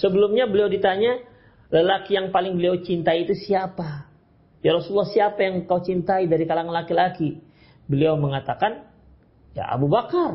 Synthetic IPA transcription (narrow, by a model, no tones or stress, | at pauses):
səbəlʊmɲabəliawdit̪aɲa | ləlakijaŋpalɪŋbəliawt͡ʃint̪aiːt̪usiapa | jaɾɔsulːahsiapajaŋkawt͡ʃint̪aidaɾikalaŋanlakilaki | bəliawməŋat̪akan | ja̰a̰bubakar